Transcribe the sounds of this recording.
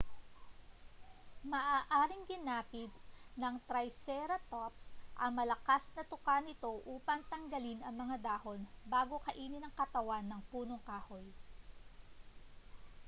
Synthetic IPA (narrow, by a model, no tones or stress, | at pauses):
mɐʔaːʔaːɾɪŋɡɪnaːpɪt̪̚nɐŋt̪ɾɐjsɛɾɐt̪opsʔɐmɐlɐkasnɐt̪ʊkanɪt̪o̞ʔuːpɐŋt̪ɐŋɡɐlɪnɐŋmɐŋad̪aːho̞nbaːɡo̞kɐʔiːnɪnɐŋkɐt̪ɐwanːɐŋpuːno̞ŋkaːhol